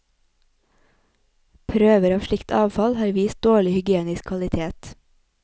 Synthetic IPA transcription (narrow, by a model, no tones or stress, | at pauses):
pʰɾøːʋəɾɑːʋʃɭɪkt̪ʰɑːʋfɑlhɑːɾʋiːst̪̚d̪oːɭɪhʏɡɪeːnɪskʰʋɑlɪt̪ʰeːt̪